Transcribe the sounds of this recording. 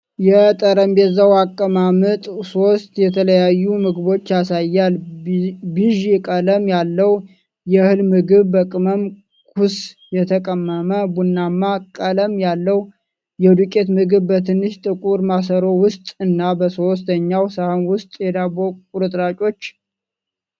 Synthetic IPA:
jɛt̪ʼəɾəmbɛzawakʼːəmamɨt̪ʼso̞st̪jɛt̪ʰələjajːumɨɡbo̞t͡ʃːjasajːal | biʒikʼələmjalːəw | jɛhɨlmɨɡɨβbəkʼɨməm | kʰusjɛt̪ʰəkʼəmːəməbunːamːakʼələmjalːəw | jɛd̪ukʼe̞t̪mɨɡɨβbət̪ʰɨnːɨʃt̪ʼɨkʼuɾmas̬əɾo̞wʊst̪ʼɨnːabəso̞s̬t̪ʰəɲːawsəhəmwʊst̪ʼjɛd̪abokʼuɾɨt̪ʼɾat͡ʃʼo̞t͡ʃː

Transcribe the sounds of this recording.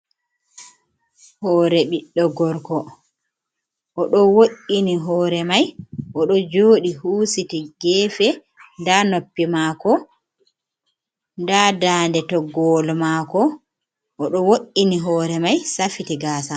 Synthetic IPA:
hɔːɾɛɓiɗːɔɡɔɾkɔ | ʔɔɗɔwoʔːiniɦɔːɾɛmajʔɔɗɔd͡ʒoːɗihuːsitiɡɛːfɛ | ndanopːimaːkɔ | ndadaːndɛtɔɡɔlmakɔ | ʔɔɗɔwoʔːiniɦɔːɾɛmajsafitiɡaːsa

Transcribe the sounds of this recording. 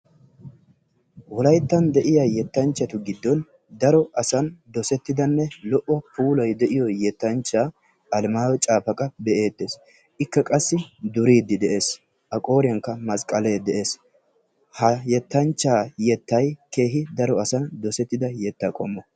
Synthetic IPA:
wɔlɐjt̪ːɐnd̪ɛʔɪjajɛt̪ːɐnt͡ʃːɐt̪ʊɡɪd̪ːɔn | d̪ɐɾɔʔɐsɐnd̪ɔsɛt̪ːɪd̪ɐnːɛlɔʔːɔpʰuːlɔjd̪ɛʔɪjɔjɛt̪ːɐnt͡ʃːaː | ʔɐlmaːwɔt͡ʃʼaːpɐkʼɐbɛʔe̞ːt̪ːe̞ːs | ʔɪkːɐkʼɐsːɪd̪ʊɾiːd̪ːɪd̪ɛʔe̞ːs | ʔɐkʼo̞ːɾɪjɐŋkːɐmɐskʼɐleːd̪ɛʔe̞ːs | hɐjɛt̪ːɐnt͡ʃːaːjɛt̪ːɐjke̞ːɦɪd̪ɐɾɔɐsɐnd̪ɔsɛt̪ːɪd̪ɐjɛt̪ːakʼɔ̰mːɔ

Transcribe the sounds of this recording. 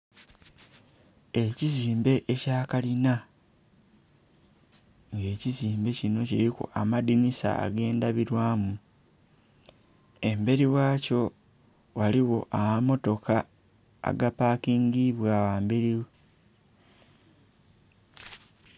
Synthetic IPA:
e̞ciziːmbe̞ʔecaːkalina | ŋɡe̞ːciziːmbe̞cino̞ciɾikṵamadinisa̰a̰ɡe̞ːndaβiɾwaːmu | e̞mbe̞ɾiwaːco̞ | waliwo̞ʔawamo̞to̞ka | a̰ɡapaːkiːŋɡiβwawaːmbeɾiwe

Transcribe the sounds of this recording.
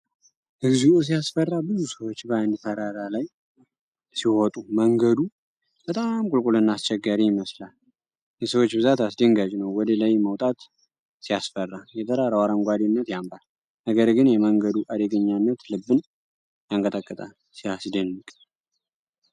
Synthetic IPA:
ʔɨɡzuus̬ijasfərːabɨzusəwot͡ʃːbəand̪t̪ʰəɾaɾalaj | sihɔt̪ʼuməŋɡəd̪u | b̥ət̪ʼamkʼulkʼulɨnːast͡ʃɛɡːaɾijɪməslal | jɛsəwot͡ʃːbɨzat̪asd̪əŋɡad͡ʒnəwːɔd̪əlajməwt̪ʼat̪ | sijasfərːajɛt̪ʰəɾaɾəwaɾəŋɡʷad̪inːət̪jambal | nəɡəɾɡɨnjɛməŋɡəd̪uʔad̪əɡəɲːanːət̪lɨbːɨn | jaŋkʼət̪ʼəkʼːət̪ʼal | sijasd̪ənːɨkʼ

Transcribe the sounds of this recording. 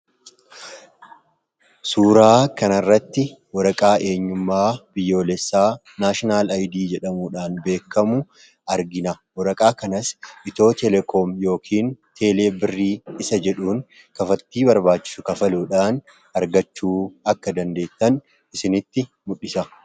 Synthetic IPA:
suːɾaːkɐnɐrːɐt̪ːɪwɔɾɐkʼaːʔe̞ːɲːʊmːaːb̥ɪjːo̞ːlɛsːaː | naːʃɪnaːlɐjd̪iːd͡ʒɛᶑɐmuːᶑaːnbe̞ːkːɐmʊ | ʔɐɾɡɪnɐwɔɾɐkʼaːkɐnɐsʔɪt̪o̞ːt̪ʰɛlɛkʰoːmjo̞ːkʰiːnt̪ʰe̞ːle̞ːbɪrːiːɪsɐd͡ʒɛᶑuːn | kɐfɐt̪ːiːbɐɾbaːt͡ʃːɪ̥sʊkɐfɐluːᶑaːn | ɐɾɡɐt͡ʃːuːɐkːɐd̪ɐnd̪e̞ːt̪ːɐn | ɪsɪnɪt̪ːɪ | mʊᶑːɪsɐ

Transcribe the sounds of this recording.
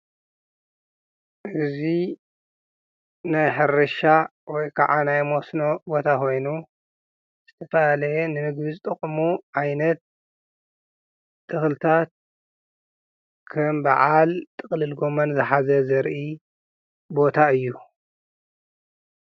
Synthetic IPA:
ʔɨzi | najħɨɾɐʃawɔjkʰaʕanajmosnobo̞t̪ʰakʰo̞jnu | z̥ɨt̪ʰɐfɐalɐjɛnɨnɨɡβizɨt̪ʼɨχʼmuʕajnɐt̪̚ | ɨxlɨt̪ʰat̪̚ | kʰɐmbaʕalt̪ʼɨxʼlɨlɡo̞mɐnzɨħazɐzɐɾʔi | bo̞t̪ʰaɨjːu

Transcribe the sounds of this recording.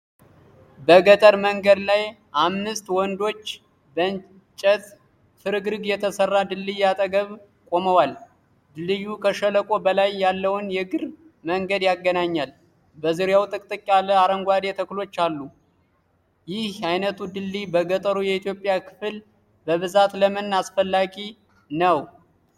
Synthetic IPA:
bəɡət̪ʼəɾməŋɡəd̪laj | ʔamnɨst̪wɔnd̪o̞t͡ʃː | bən | t͡ʃʼːət̪ | fɨɾɨɡɾɨɡjɛt̪ʰəsərːad̪ɨlːijat̪ʼəɡəβ | kʼo̞məwal | d̪ɨlːɨjːukʰəʃələkʼo̞bəlajːalːəwɨnjɛɡɨɾ | məŋɡəd̪jaɡːənaɲːal | bəzɨɾjawt̪ʼɨkʼt̪ʼɨkʼːaləaɾəŋɡʷwad̪et̪ʰəklo̞t͡ʃːalːu | jɪhajnət̪ʰud̪ɨlːibəɡət̪ʼəɾujɛit̪jo̞pʼːjakʰɨ̥fɨl | bəβɨzat̪ləmɨnːasfəlːaɡi | nəw

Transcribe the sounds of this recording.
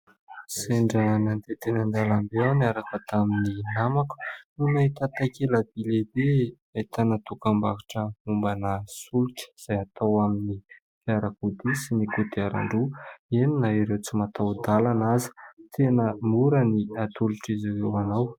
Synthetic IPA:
seɳɖ͡ʐənand̪et̪enand̪alambeawnaɾakat̪amininamaku̥nunait̪at̪akelabilebe | ait̪anət̪ukambakiʈ͡ʂəumbanasulukə̥iz̥ajat̪awamini | fiaɾakud̪isinikut̪iaɾa̰ɳɖ͡ʐueninaiɾewt͡simat̪awd̪alanazə̥t̪ʰenəmuɾəniat̪uluʈ͡ʂiziwewanaw

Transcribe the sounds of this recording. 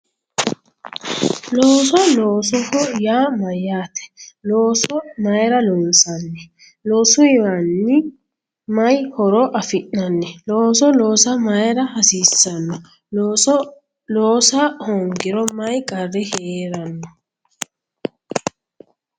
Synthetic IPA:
loːsɔloːsɔhɔjaːmɐjːaːt̪ɛ̥loːsɔmɐjɾɐloːnsɐnːɛ | lo̞ːsʊɪwanːɪ | mɐjhɔɾɔʔɐfɪʔnɐnːɛloːsɔlo̞ːsɐmɐjɾɐhɐsiːsːɐnːɔ | loːsɔ | loːsahɔŋɡɪɾɔmɐjkʼɐrːɪheːɾɐnːɔ

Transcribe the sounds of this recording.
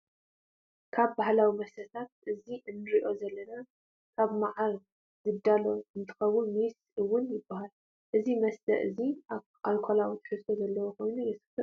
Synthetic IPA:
kʰaβbahlawimɐsɐt̪ʰat̪̚ʔɨziʔɨnːɨɾiʔo̞zɐlːɐna | kʰaβmaʕaɾ | zɨd̪alo̞ɨnt̪ʰɨ̥xɐwːʊnmisʔɨwːʊnjɪbːahal | ʔɨzimɐst̪ʰɐ̰ʔɨzi | ʔalkʰolawit̪ʰɨ̥ħɨst̪ʰozɐlːɐwokʰo̞jnujɛsɨ̥t̪ɐ

